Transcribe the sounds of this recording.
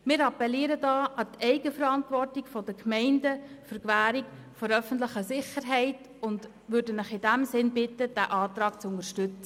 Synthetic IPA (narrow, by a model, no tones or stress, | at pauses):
mɪːɾɑpɛliːɾədɑːʔɑtʰɛɪɡəfəɾɑntʋɔrtɪɡfɔdəkʰmɛɪndəfʏɾkʋæːɾik | fɔɾœfən̩tlɪχəsɪχəɾɦɛɪt | ʊnd | ʋʉɾdənɪχɪdæmsɪnbɪtːəd̥æʔɑːt̪ɾɑːkt͡sʊnərʃtʏt͡sə